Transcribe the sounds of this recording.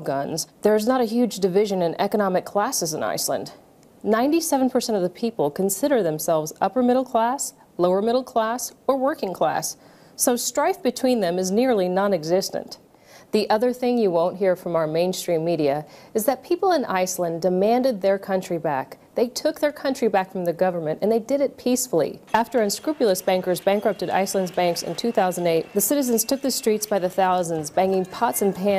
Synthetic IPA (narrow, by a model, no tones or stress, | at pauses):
ɡʌ̃nzðə˞ɨznəɾɨɦjʉd͡ʒdɨvɪʒɨ̃nɨ̃nɛkənɑmɨkʰl̥æsɨzə̃na̰ɪslə̰̃nd | nãɪ̃ntisɛvnpʰə˞sɛ̃ñʌvðəpʰipl̩ˠkʰɨ̃nsɪɾə˞ðɨ̃msɛlˠvzʌpə˞mɪɾl̩ˠkʰl̥æs | loʊə˞mɪɾl̩ˠkʰl̥æsə˞wɜ˞kɪ̃ŋkʰl̥æ̰sː | oʊstɹ̥aɪθb̥ɨtʰw̥ĩnðɨ̃mɨznɪɹlˠinɑ̃nɨɡzɪstɨ̰̃n | ðiʔʌðə˞θɪ̃ŋjɨwõʊ̃nʔɦiɹfɹʌ̃maʊə˞mẽɪ̃nstɹ̥ĩmːiɾiɨɨzðɨt̚pʰipl̩ˠə̃nʔa̰ɪslə̃ndɨmæ̃ndɨd̪̚ðə˞kʰʌ̃nt͡ʃɹ̥ibæ̰k | ðeɪtʰʊk̚ðə˞kʰʌ̃nt͡ʃɹ̥ibækfɹʌ̃mðɨɡʌvə˞mɨ̃ntɨ̃nðeɪdɨɾɨt̚pʰisfl̩ˠḭæftə˞ɨ̃nskɹʉpjl̩ˠəsb̥æ̃ŋkə˞zbæ̃ŋkɹʌp̚tɨɾa̰ɪslə̃ndzbæ̃ŋksɨ̰̃ntʰʉθaʊzn̩deɪt̪̚ðɨsɪɾɨzɨ̃nz̥tʰʊk̚ðɨstɹ̥itsb̥aɪðɨθaʊzə̃nzbæ̃ŋɪ̃ŋpʰɑtsɨ̃n̩pʰæ̃